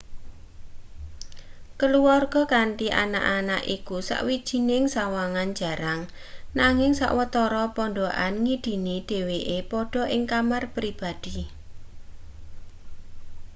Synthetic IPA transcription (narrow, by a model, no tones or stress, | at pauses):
kəluarɡ̥ɔ̤kanʈ̪iʔa̰na̰ʔanaʔikusa̰ʔwid̥ʒ̥i̤nɪŋsawaŋan̥d͡ʒ̥a̤ɾaŋ | naŋɪŋsa̰ʔwət̪ɔɾɔpɔɳɖoʔa̰nŋid̥i̤niɖ̥e̤weʔepɔɖ̥ɔ̤ʔɪŋkamarpɾib̥ad̪̥i̤